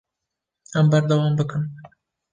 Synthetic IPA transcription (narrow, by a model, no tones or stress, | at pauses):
ambaɾd̪awɑːmbɨkɨm